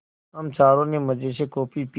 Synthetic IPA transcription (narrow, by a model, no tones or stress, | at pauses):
əmt͡ʃaːɾõːneːməd͡ʒeːseːkoːpiːpi